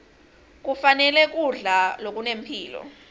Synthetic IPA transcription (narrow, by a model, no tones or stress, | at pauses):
k̬ufanɛlɛk̬ʼuɮalok̬ʼunem̩pʰiːlɔ̰